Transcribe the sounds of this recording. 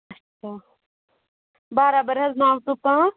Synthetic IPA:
ɐtːʰaː | baːɾabəɾɦɐznãːʋt̪upãː

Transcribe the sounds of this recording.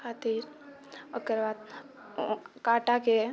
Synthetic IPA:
kʰaːt̪iːɾ | əkəɾʋaːd̪̚ | kaːʈake

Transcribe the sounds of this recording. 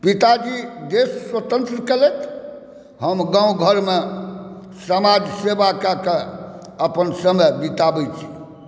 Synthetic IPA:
pit̪ad͡ʒid̪esːwət̪ə̃nt̪ɾəkelet̪ʰ | ɦəmɡãũɡʱəɾme | səmad͡ʒsebakake | əpənsəməbit̪abɛt͡ʃʰi̥

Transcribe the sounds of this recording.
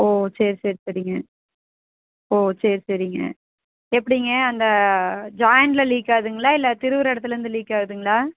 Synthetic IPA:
oːsɛːɾseːɾsɐɾɪŋɡɐ | oːsɛːɾsɐɾɪŋɡɐ̰ | ɛpːɐɽɪŋɡɐɐnd̪ɐd͡ʒaːjɐɳʈlɐliːkːaːðɯŋɡɐɭaːɪlːɐt̪ɪɾɯʋɐɾɛɽɐt̪ːɯlɾɯnd̪ɯliːkːaːɣðɯŋɡɐɭaː

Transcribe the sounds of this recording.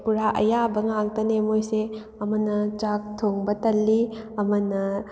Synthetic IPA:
puɾaʔɐ̰jabɐŋaŋtɐnemojse | ɐmɐnɐt͡ʃak̚tʰoŋbɐtɐlːiɐmɐnɐ

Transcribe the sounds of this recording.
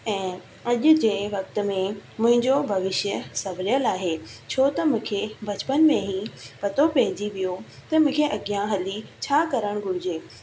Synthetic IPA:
ɛ̃ː | ɐʄʊ̆d͡ʑeːʋɐk̚t̪̆mẽmʊ̃ɦɪ̃ɲd͡ʑobʱɐʋɪʃjəsɐʋɾjəlaːɦeːt͡ɕʰoːt̪ɐmʊ̃kʰebʱɐd͡ʑpənmẽɦĩpɐt̪opɐɦɪd͡ʑiʋijot̪ɐmʊ̃ːkʰeʔɐɠijãɦɐlit͡ɕʰaːkɐɾəɽ̃ɡʱʊɾɪd͡ʑeː

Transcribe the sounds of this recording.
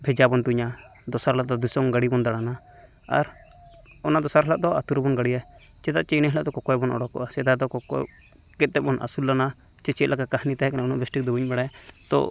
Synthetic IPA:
bʱɛd͡ʒabɔnt̪uɲa | d̪ɔsaɾlaʔd̪ɔd̪isɔŋɡaɽibɔnd̪aɽana | a̰ɾ | ɔnad̪ɔsaɾlaʔd̪ɔat̪uɾɔbɔnɡaɽija | t͡ʃɛd̪aʔt͡ʃɛjnɛɦlaʔd̪ɔkɔkɔjɛbɔnɔ̰ɽɔkːɔ̰ʔasɛd̪ad̪ɔkɔkɔ̰ | kɛt̪̚t̪ɛbɔnʔa̰sulːana | t͡ʃɛt͡ʃɛt̪lakakahnit̪aɦɛkanaunɔʔbɛsʈik̚d̪ɔbuɲbɛɽajt̪ɔ̰

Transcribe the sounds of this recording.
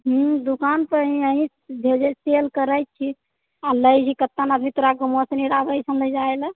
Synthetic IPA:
ɦud̪ukanpəɾɦĩəɦĩ | bʱed͡ʒəselkəɾəjt̪̚t͡ʃʰi | aləjt͡ʃʰikət̪ːanad̪mit̪oɾaɡumɔsəniɾabəjsənləd͡ʒaelə

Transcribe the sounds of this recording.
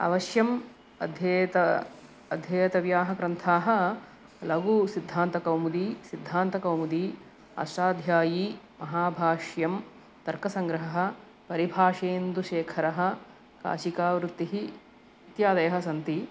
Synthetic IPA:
ɐ̰ʋɐʃjɐm | ɐd̪ʱjɐt̪ɐ | ɐd̪ʱjɐːjɐt̪ɐʋjaːɦɐkɾɐnt̪ʰaːɦɐ̆ | lɐɡusid̪ʱːaːnt̪ɐkɐwmud̪iːsid̪ʱːaːnt̪ɐkɐwmud̪iː | ɐ̰ʃʈaːd̪ʱjaːjiː | mɐɦaːbʱaːʂjɐm | t̪ɐɾkɐsɐŋɡɾɐɦɐɦɐ̆ | pɐɾibʱaːʂeːnd̪uʃeːkʰɐɾɐɦɐ̆ | ka̰ːʃikaːʋɾut̪ːiɦi | it̪jaːd̪ɐjɐɦɐsɐnt̪i

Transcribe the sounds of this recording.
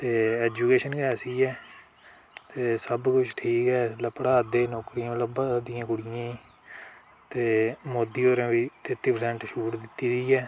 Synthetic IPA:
t̪eːɛːd͡ʒuːkeːʃənkɛːsiːɛː | t̪eːsəbkʊt͡ʃʰʈʰiːkɛːləpəɽaːd̪eːnɔːkɾiːãːmləbd̪ɪjãːkʊɽɪjãːiː | t̪eːmoːd̪iːoːɾãːʋiːt̪ɪt̪ːiːpəɾsɛːɳʈʃuːʈd̪ɪt̪ːiːd̪iːɛː

